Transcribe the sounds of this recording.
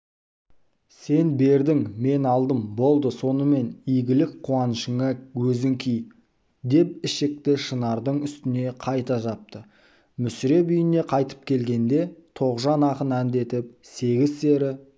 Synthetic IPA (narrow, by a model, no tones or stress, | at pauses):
se̞nbe̞ɾd̪ɪŋme̞nɑlˠd̪əmbo̞lˠd̪əso̞nəme̞nijɡʲɪlɪk̚qʰːuɑnəʃəŋɑɵzɪŋkʲʰij | d̪e̞p̚ɪʃɪk̚t̪ɪʃənɑɾd̪əɴʏst̪ɪne̞qʰɑjt̪ɑʒɑp̚t̪ə | mʏsɪɾe̞bʏjɪne̞qʰɑjt̪ə̥p̚kʲʰe̞lɡʲe̞nd̪e̞t̪ʰo̞ʁʒɑnɑqənænd̪e̞t̪ɪp̚se̞ɡʲɪzseɾɪ